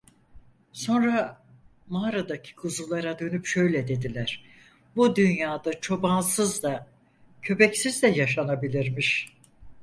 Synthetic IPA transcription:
so̞nɾa | maɾad̪acʰi̥kʰuzulˠaɾad̪ø̞nypʃø̞jlʲɛd̪e̞d̪ilʲæɾ̥ | bud̪ynjaːd̪at͡ʃʰo̞bansɯzd̪a | cʰø̞bɛcsizd̪ɛjaʃanabilʲiɾmiʃ

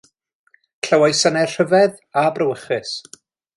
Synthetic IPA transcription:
kʰəwajsənɛr̥əvɛð | abrəwəχɪs

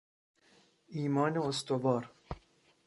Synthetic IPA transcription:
iːmɒːneost̪ovɒːɾ

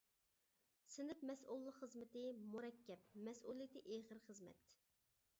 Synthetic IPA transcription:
sɪnɪpmɛsulˠːəqχəzmɪt̪ɪmuɾɛkʲːɛp̚mɛsʔulˠijɪt̪ɪʔeχəɾχəzmɛ̰t̪

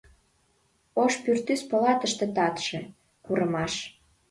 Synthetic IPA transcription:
oʃpyrt̪yspɤ̆lɑt̪əʃt̪ĕt̪ɑt̪ʃĕ | kuɾəmɑʃ

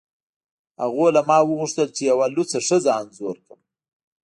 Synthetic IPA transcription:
ha̰ɣolamɑwəɣuʂt̪əlt͡ʃejawalʊt͡saʂəzaːnzoɾkəm

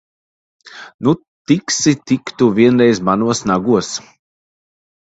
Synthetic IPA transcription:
nu | t̪iksit̪ikt̪uvʲiɛnɾɛjzmanuɔsnaɡus

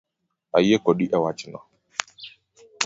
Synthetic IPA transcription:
a̰jekɔɗiʔawat͡ʃinɔ̰

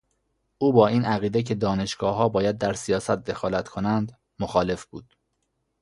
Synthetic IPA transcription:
ʔuːbɒːiːnæɣiːd̪ecʰe̞d̪ɒːne̞ʃɡ̥ɒːɦɒːbɒːjæd̪̚ːæɾsijɒːsæt̪̚d̪e̞xɒːlæt̪kʰo̞nænd̪ | moxɒːle̞fb̥uːd̪̥

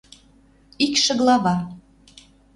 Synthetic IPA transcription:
ikʃə̆ɣlˠɑβɑ

